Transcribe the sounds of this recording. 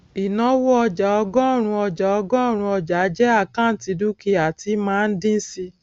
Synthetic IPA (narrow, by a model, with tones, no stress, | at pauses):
i˨nɔ̃˧˦wo˦ɔ˧d͡ʒa˨ɔ˧ɡɔ̃˦˨ɾ̃ũ˧ɔ˧d͡ʒa˨ɔ˧ɡɔ̃˦˨ɾ̃ũ˧ɔ˧d͡ʒa˨˦d͡ʒɛ˦a˦˨kã˦˨n̩˨ti˨˧du˦ki˦a˨ti˨˦mãː˦˧n̩˦dĩ˦n̩˦si˧